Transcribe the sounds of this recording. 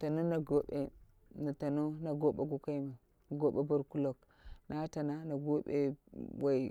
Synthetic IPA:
ta˨no˦na˨ɡo˦ɓe˦ | na˨ta˨no˦na˨ɡo˦ɓe˨˦ɡu˨ka˦i˦ma˨ | ɡo˦ɓe˦bu˦ɾku˦lo˦k | na˦ta˨na˦na˨ɡo˦ɓḛ˦wa˨i˨

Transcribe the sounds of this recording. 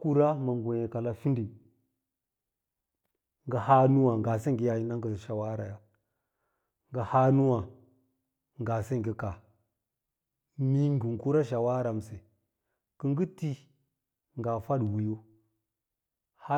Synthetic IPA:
ku˦ɾa˦ma˨ŋ˨ɡo˨je˨ka˨la˦fi˦ndi˨n | ŋɡa˨ha˦nu˦wa˨ŋ˨ɡa˨se˦ŋ˨ɡi˦ja˨ji˦na˦ŋɡə˨ʃa˨wa˦ɾa˨ja˦ | ŋɡa˨ha˦nu˦wa˨ | ŋɡa˨se˦ŋ˨ɡi˦ka˨ | mi˦ŋ˦ɡu˨ŋku˦ɾa˦ʃa˨wa˦ɾa˨m˨se˨ | kə˦ŋɡi˦ti˦ | ŋɡa˨fa˦dwi˨jo˦ | ha˦

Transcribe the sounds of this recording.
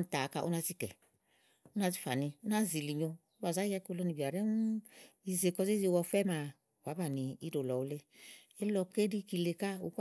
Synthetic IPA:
n˨ta˨ka˧ʔu˦na˧zi˦kɛ̰˨ | u˦na˧zi˦fa̰˨ni˧u˦n˦a˦˨zi˨li˨ɲo˧u˦ba˨za˦ja˦ku˧lɔ˧ni˨bi˨a˨ɾe˦i˨ze˨kɔ˧ze˦ze˧˨wɔ˧fɛ˦ma˨ | wa˨˦ba˨ni˨i˦do˨lɔ˨u˦le˦ | e˦lɔ˧ke˦di˦ki˧le˧ka˦ṵ˨˦k

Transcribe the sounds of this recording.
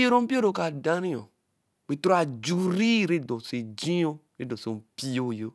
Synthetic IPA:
o˦ɾõ˦m̩˦pi˦o˦ɾo˨ka˨da˦nĩ˦o̰˨ | k͡pe˨to˦ɾa˨d͡ʒu˨ɾi˦˨ɾe˦do˨se˨d͡ʒĩ˦o˦ɾe˦dɔ˨so˨m̩˨pi˦jo˦˨jo˦

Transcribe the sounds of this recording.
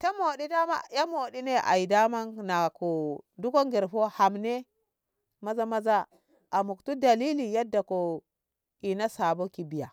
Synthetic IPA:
ta˦mo˨di˦da˦ma̰˦ja˦mo˨di˦ne˦ʔa̰˨i˨da˦ma˦nna˨ko˨du˦ko˦ŋɡi˨ɾɸo˦ha˨mne˦ | ma˦za˦ma˦za˦ | a˨mu˨ktu˦da˨li˦li˨ja˦dːa˨ko˨ | i˨na˦sa˨bo˦ki˨bi˨ja˨

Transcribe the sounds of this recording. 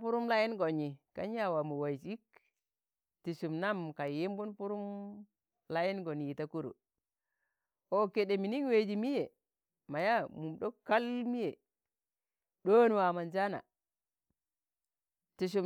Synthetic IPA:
pu˦ɾu˦mla˦ji˦nɡo˨ɲi˨ka̰˦ɲ˦a˦wa˨mu˨wa˨t͡ʃi˦k | ti˨ʃu˨mna˦mka˨ji˦mbu˦npu˦ɾu˦m | la˦ji˦nɡo˨nji˨ta˦ku˦ɾṵ˨ | o˨ke˨ɗe˨mi˨ni˦ŋ˦we˨d͡ʒi˨mi˦je˨ | ma˨ja˦mu˨mɗo˦ka˦lmi˦je˨ | ɗo˦n˨wa˨ma˨nd͡ʒa˦na̰˨ | ti˨ʃ̬u˨

